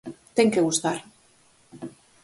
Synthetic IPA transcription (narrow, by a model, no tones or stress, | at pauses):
t̪eŋkeɣust̪aɾ